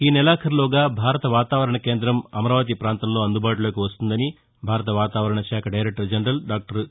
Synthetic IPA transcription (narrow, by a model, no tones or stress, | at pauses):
iːnɛlaːkʰɐɾloːɡaːbʱaːɾɐt̪ɐʋaːt̪aːʋɐɾɐɳɐkeːnd̪ɾɐmɐmɐɾaːʋɐt̪̬ipɾaːnt̪ɐmlo̞ːɐnd̪ubaːʈuloːkiʋɐst̪und̪ɐni | bʱaːɾɐt̪̬ɐʋaːt̪aːʋɐɾɐɳɐʃaːkʰɐɖɐjɾek̚ʈɐɾd͡ʒɐɳɾɐlɖaːk̚ʈɐɾ